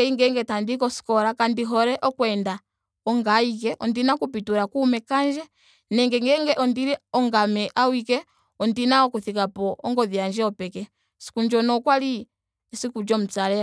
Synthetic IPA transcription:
ɛiŋɡɛŋɡɛtandik̬ɔsi̥kɔɾakandiɦɔɾɛʔɔkwɛnda | ɔŋɡaik̬ɛʔɔndinakup̬ituɾakumɛkand͡ʒɛ | nɛŋɡɛŋɡɛŋɡɛʔɔndiɾɛɔŋɡamɛʔawikɛ | ɔndinaɔkuθikapɔɔŋɡɔðjand͡ʒɛɔpɛkɛ | si̥kund͡ʒɔnɔkwali | sikud͡ʒɔm̩t͡saɾɛ

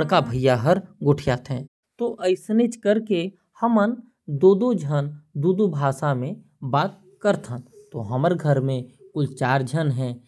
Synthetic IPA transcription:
ɽkabʱəjːaɦəɾɡʊʈʰjaːt̪ɦɛ̃ː | t̪oʔəɪsnet͡ʃkəɾke | həmən | d̪oːd̪od͡ʒʱənd̪uːd̪ubʱaːsamẽ | baːt̪̚ | kəɾt̪ʰãt̪oɦəməɾɡʱəɾmẽkʊlt͡ʃaːɾd͡ʒʱənɦɛ̃ː

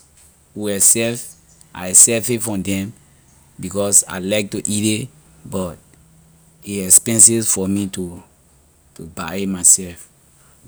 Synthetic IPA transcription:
uwɛsɛf | ʔa̰jsɛfefɔ̃mdɛ̃m | bikɔsa̰laɪk̚tuʔite | bɔt̚ | eɛkspɛ̃nsisfɔmitu | tuba̰imaɪsɛlf

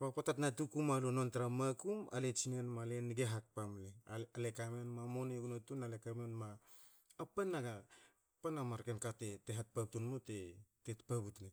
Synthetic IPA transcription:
papotatnatukumalunontaɾamakuma̰let͡ʃinenmaleniɡeɦat̚pamlealekamenmamoneɡunotunalekamenmaː | panːaɡa | panamaɾkenkateteɦat̚pab̚tunmutetetpabutne

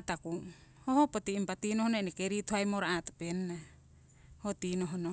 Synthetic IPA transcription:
at̪aku | hohopot̪iimpat̪inohonoenekeɾit̪ohajmoɾaʔat̪o̥penːa | hot̪inoɦono

